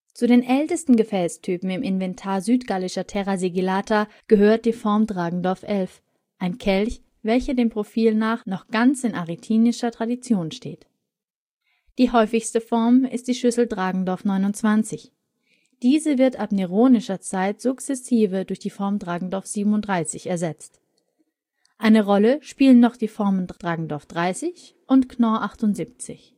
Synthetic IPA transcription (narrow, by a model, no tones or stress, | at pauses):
t͡sudeːnʔɛltəstn̩ɡəfɛːlstʰyːpm̩ɪmɪnvɛntʰaːɐzyːtɡ̥alɪʃɐtʰɛʁaziɡilaːtʰa | ɡ̥əɦøːɐt̚d̥iːfɔɐmdʁaːɡŋ̩dɔɐfʔɛlf | ʔaɪnkʰɛlç | vɛlçɐdeːmpʁ̥ofiːlnaːχnɔχɡ̥ant͡sɪnʔaʁitʰiːnɪʃɐtʁ̥adit͡sjoːnʃtḛːt | d̥iːɦɔʏfɪçstəfɔɐmɪst̚d̥iːʃʏsl̩dʁaːɡŋ̩dɔɐfnɔʏnʊnt͡sv̥ant͡sɪç | d̥iːzəvɪɐtʔapneʁoːnɪʃɐt͡saɪtz̥ʊkt͡sɛsiːvədʊɐçd̥iːfɔɐmdʁaːɡŋ̩dɔɐfz̥iːbm̩n̩ʊntd̥ʁaɪsɪçɛɐzɛt͡st | ʔaɪnəʁɔləʃpiːlənːɔχd̥iːfɔɐməndd̥ʁaːɡŋ̩dɔɐfd̥ʁaɪsɪç | ʔʊntknɔʔaχtʊnz̥iːp̚t͡sɪ̰ç